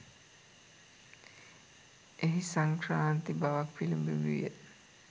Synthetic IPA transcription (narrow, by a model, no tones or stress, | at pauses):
ʔeɦisaŋkɾaːnt̪ibaʋakfilimbimiijḛ